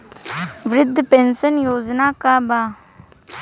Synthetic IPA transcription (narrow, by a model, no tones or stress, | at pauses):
ʋɾɪd̪ʱːpensənjoːd͡ʒnaːkabaː